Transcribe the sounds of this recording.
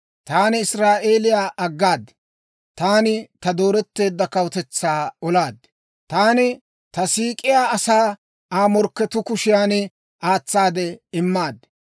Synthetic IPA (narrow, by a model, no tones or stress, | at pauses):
t̪aːnɪɪsɾaːʔe̞ːlɪjaːʔɐɡːaːd̪ | t̪aːnɪt̪ɐd̪o̞ːɾɛt̪ːe̞ːd̪ːɐkɐwt̪ɛt͡sːaːɔlaːd̪ | t̪aːnɪ | t̪ɐsiːkʼɪjaːɐsaː | aːmɔɾkːɛt̪ʊkʊʃɪjaːnɪ | ʔaːt͡sːaːd̪ɛɪmːaːd̪